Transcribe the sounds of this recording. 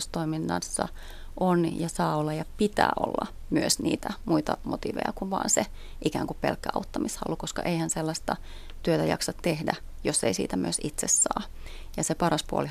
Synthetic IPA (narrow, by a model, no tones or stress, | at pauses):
st̪oiminːɑnsːɑ̰ | ʔonjɑsɑːolːɑjɑpit̪æ̰ːʔo̰lːɑ̰ | myøsniːt̪æmuit̪ɑmot̪iʋḛjɑkuʋʋɑ̰ːnse | ʔikæːŋkuppelkːæɑut̪ːɑmishɑ̰lːukoskɑ̰ʔeihænselːɑst̪ɑ | t̪yøt̪æjɑ̰ksɑt̪t̪ehdæ | joseisiːt̪æmy̰øsit̪sessɑː | jɑsepɑɾɑspuo̰li